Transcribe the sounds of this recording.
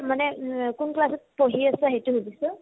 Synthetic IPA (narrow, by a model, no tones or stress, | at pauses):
manɛkunklasɔt̚poɦiasaɦejtuɦubisɔ